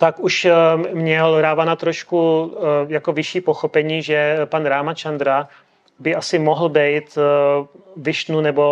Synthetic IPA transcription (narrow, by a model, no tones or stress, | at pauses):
t̪akuʃmɲɛlɾaːvanat̪ɾoʃkujako̞vɪʃiːpo̞xopɛɲiːʒɛpanɾaːmat͡ʃand̪ɾa | bɪʔasɪmoɦl̩bɛjt̪ | vɪʃnunɛbo̞